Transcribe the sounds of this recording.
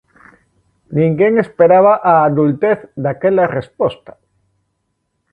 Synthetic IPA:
nĩŋɡeŋespeɾaβ̞aʔaːðult̪eθd̪akelarespost̪ḁ

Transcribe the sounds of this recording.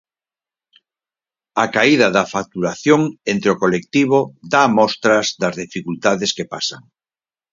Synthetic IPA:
akaiðɐðɐfak̚t̪uɾaθjoŋent̪ɾeokolek̚t̪iβ̞oðamɔst̪ɾɐzðɐzðifikult̪aðeskepasaŋ

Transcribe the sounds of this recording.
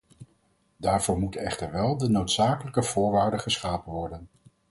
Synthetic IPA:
daːɹv̥ʊːɹmutəɛχtəɹʋɛlˠdənowtsaːkələkəv̥ʊːɹʋaːɹdəχəsχaːpənʋɔɹdən

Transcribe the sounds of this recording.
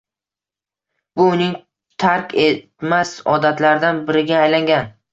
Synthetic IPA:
bʊːnɪŋ | t̪ʰaɾkʲet̪masɒd̪at̪laɾɪd̪anbɪɾɪɡʲaːjlaŋɡʲan

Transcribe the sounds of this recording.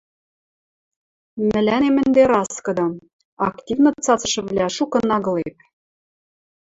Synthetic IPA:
mɘ̆lʲænemɘ̆nd̪eɾɑskɤ̆d̪ɤ̆ | ɑktʲivnɤ̆t͡sɑt͡sɤ̆ʃɤ̆βlʲæʃukɤ̆nɑɣɤ̆lep̚

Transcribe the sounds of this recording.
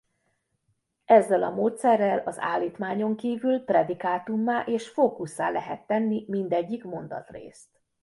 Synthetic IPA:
ɛzːɛlɒmoːt̪sɛrːɛlɒza̰ːlːiːt̪maːɲo̞ŋkiːvylprɛd̪ikaːt̪umːaːʔeːʃfoːkusːa̰ːlɛɦɛt̪ːɛnːimind̪ɛɟːikmo̞nd̪ɒ̰t̪rḛːst̪

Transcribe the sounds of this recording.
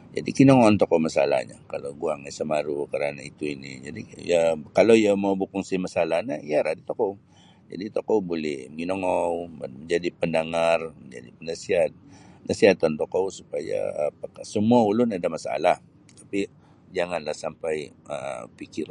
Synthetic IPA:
d͡ʒa̰dikinɔŋɔnt̪ɔkɔwmasa̰la̰hɲa̰kalawɡuaŋasəmaɾukəɾanait̪uinḭd͡ʒadijakalowjamawbukʊŋsɪmasalahnaijaɾadit̪okow | d͡ʒa̰dit̪okowbolɛhəŋinɔŋɔwməɲd͡ʒadipəndaŋarməɲd͡ʒa̰dipənasiɦat̪̚ənʔasiɦat̪ant̪okowsu̥paja̰ːpakasəmuaulʊnadamasa̰lah | t̪ḁpi | d͡ʒaŋanlahsampajə̰pikɪr

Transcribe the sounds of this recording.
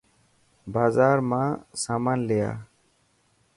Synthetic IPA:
bazaːɾmãsamanlɛja̰

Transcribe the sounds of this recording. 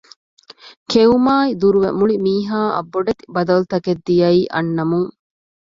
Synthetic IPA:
kʰeumaːid̪uɾuʋḛmuɭimiːɦaːʔɐ̰bːoɖɐt̪i̥bɐd̪ɐlut̪ɐked̪ːijɐiːʔɐ̰nːɐmuŋ

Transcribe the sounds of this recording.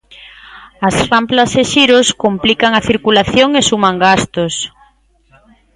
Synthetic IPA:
ɐsramplaseʃiɾoskomplikaŋɐθiɾkulaθjoŋesumaŋɡast̪os

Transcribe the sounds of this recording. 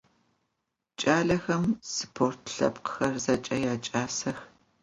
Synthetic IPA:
t͡ʃʼaːɮɐxɐmsɨpʰoːrtʰɬɐ̰pqxɐrzɐt͡ʃʼɐjaːt͡ʃʼaːsɐx

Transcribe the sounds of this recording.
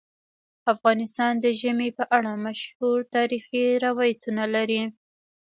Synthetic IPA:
afɣɑnɪst̪ɑnd̪əʒəmepəʔaɽamaʃhuɾt̪ɑɾixiɾawɑjat̪unalaɾi

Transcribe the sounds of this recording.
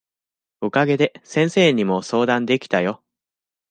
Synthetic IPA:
okaɡe̞d̪e̞sẽɰ̃se̞ːɲ̟imo̞so̞ːd̪ãnd̪e̞kʲi̥t̪ajo̞

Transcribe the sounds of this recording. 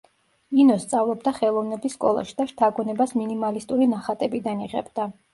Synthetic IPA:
inɔst̪sʼavlˠɔbd̪aχɛlˠɔvnɛbisːkʼɔ̰lˠa̰ʃi̥d̪aʃt̪ʰaɡɔnɛbasminimalist̪ʼuɾinaχat̪ʼɛbid̪aniʁɛ̰bd̪a

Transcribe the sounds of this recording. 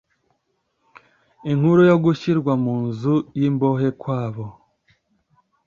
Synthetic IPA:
iŋ̥huɾujoɡuʃiɾɡwamuːnzujimbo̞he̞kwaːβo̞

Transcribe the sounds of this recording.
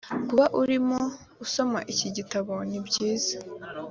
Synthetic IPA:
kuβaʔuɾimo | uso̞ma̰ʔiciɟitaβo̞nibɟiːzḁ

